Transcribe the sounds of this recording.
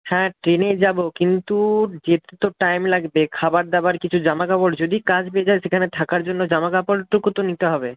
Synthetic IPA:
hɛ̃ʈɾened͡ʑabokint̪ud͡ʑet̪et̪oʈajmlaɡbekʰabaɾd̪abaɾkit͡ɕʰud͡ʑamakapɔɖd͡ʑod̪ikad͡ʑpeed͡ʑaeʃekʰanet̪ʰakaɾd͡ʑonːod͡ʑamakapolʈukut̪onit̪eɦɔbe

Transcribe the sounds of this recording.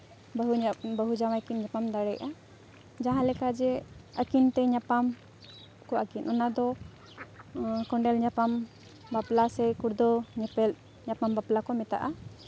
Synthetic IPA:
bɦubəɦud͡ʒawajkinɲapamd̪aɽɛjʔa | d͡ʒaɦãlɛkad͡ʒɛakint̪ɛɲapam | kɔakinʔɔnad̪ɔ | kɔɳɖɛlɲapam | baplasɛkuɾd̪ɔɲɛpɛl | ɲapambaplakɔmɛt̪a̰ʔa

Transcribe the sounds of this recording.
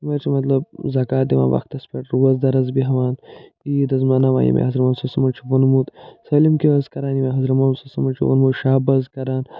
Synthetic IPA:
mɐɾt͡ʃʰimɐt̪lɐb̚zɐkaːt̪d̪iʋa̰ːʋɐ̰xt̪ɐspɐʈɾuwɐzd̪ɐɾɐzbiɦɐʋaːn | id̪ɐzmɐnɐʋa̰ːjḭmḛhɐzɾɐmɐːnsɐsɐmɐlt͡ʃʰubɐnmuːt̪sɐlimkiɐzkɐɾaːnimeɦɐzɾɐmɐːnsɐsɐmɐlt͡ʃʰuʋɐ̰nmuːt̪ʃaːbɐzkɐɾaːn

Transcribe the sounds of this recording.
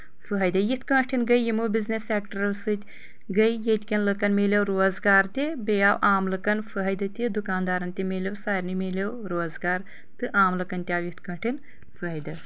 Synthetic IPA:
fɨɦɐjd̪ɨjit̪ʰkɐːʈʰinɡɐjjimubizneseːkʈɐɾɐwsɨt̪ʲ | ɡɐjjet̪ʲkʲɐnlɨkɐnmeːlʲewɾoːzɡaːɾt̪ʲibejaːwʔaːmlɨkɐnfʰɨɦɐjd̪ɨt̪id̪ukaːnd̪aːɾɐnt̪ʲimeːlʲewsaːjɾnɨmeːlʲewɾoːzɡaːɾ | t̪ɨʔaːmlɨkɐnt̪ʲjaːwjit̪kɐ̃ːʈʰin | fʰɨɦɐjd̪ɨ

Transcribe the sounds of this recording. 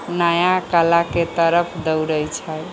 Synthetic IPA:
najakalaket̪əɾəpʰd̪əwɾəjt͡ʃʰə

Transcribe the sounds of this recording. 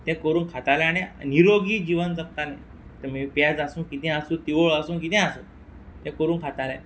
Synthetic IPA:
t̪ɛ̃kəɾuːnkʰat̪aljãnɛ̃niɾoɡiːd͡ʑiʋənd͡zak̚t̪alɛ̰̃ | t̪əmipjad͡zasũːkit̪ɛ̃asũːt̪iʋoɭasũːkit̪ɛ̃asuː | t̪ɛ̃kəɾuːnkʰat̪alã

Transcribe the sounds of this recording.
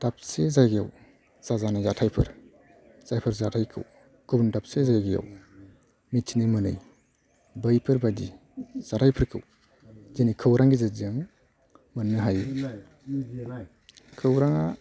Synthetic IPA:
d̥ap̚sezaɡijaw | z̥azanazatʰajpʰɯɾ | z̥ajpʰɯɾzatʰajkʰɯ̰w | ɡ̥ɔbndap̚sezajɡija̰w | mitʰinimɯnɯ̰j | bəjpʰɯɾbadi | z̥atʰajpʰɯɾkʰɯw | zenikʰɯwɾaŋɡizazɯŋ | mɯnːɯɦaj | kʰɯwɾaŋa

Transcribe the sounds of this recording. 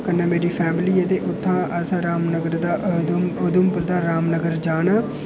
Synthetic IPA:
kənːẽːmeːɾiːpʰɛːmliːɛt̪eːʔʊt̪ʰːãːʔəsãːɾaːmnəɡəɾd̪aːʔ̪mʊd̪əmpəɾd̪aːɾaːmnəɡəɾd͡ʒaːnaː

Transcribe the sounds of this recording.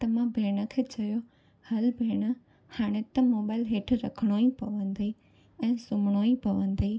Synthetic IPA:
t̪ɐmãbʱeːɽ̃əkʰeːt͡ɕɐjo | hɐlbʱeːɽ̃ə | haːɽ̃et̪ɐmoːbaːɪlɦeːʈʰɾɐkʰəɽ̃oipɐʋə̃nd̪i | ɛ̃ːsʊmɽ̃oːĩpɐʋə̃n̆d̪iː

